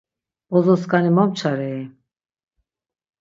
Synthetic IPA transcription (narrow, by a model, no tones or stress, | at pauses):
bɔzɔskanimɔmt͡ʃʰaɾɛi